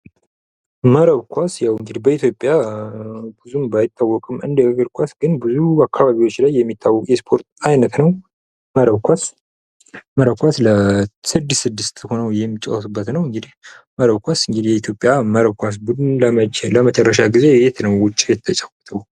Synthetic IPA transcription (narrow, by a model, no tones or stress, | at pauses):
məɾəβkʰʷasjawɨŋɡɨd̪ibəit̪jo̞pʼja | bɨzumbajɪt̪ʰːawːɔkʼɨmɨnd̪əəɡəɾkʷʰasɡɨnbɨzuakʰːaβaβiwo̞t͡ʃːlajːɛmːit̪ʰːawːɔkʼjɛspʰo̞ɾt̪ajnət̪nəw | məɾəβkʰʷas | məɾəβkʷʰasləsɨd̪ːɨssɨd̪ːɨst̪ho̞nəwjɛmːit͡ʃʼːawasɨbːət̪nəwɨŋɡɨd̪ihməɾəβkʷasɨŋɡɨd̪jɛit̪ʰjo̞pʼːjaməɾəβkʷas̬bɨd̪nləmət͡ʃɛləmət͡ʃʼɛrːəʃ̬aɡize̞jɛt̪ʰnəwwʊt͡ʃʼːijɛt̪ːʰət͡ʃʼawɔt̪ʰəw